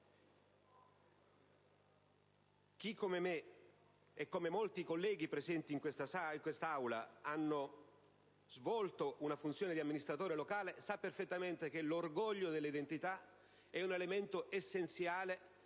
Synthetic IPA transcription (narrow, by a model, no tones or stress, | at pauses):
k̟ikːomemeː | kːomemolt̪ikolːɛːɡipɾezɛnt̪iːŋkwest̪asaiŋkwest̪aawla̰anːo | zvɔlt̪oʔunafunt̪sjoːned̪iamːinist̪ɾat̪oːɾelokaːlesapːerfet̪ːament̪ek̟elorɡɔʎːod̪elːid̪ent̪it̪a | ɛunelement̪oʔesːent̪sjaːle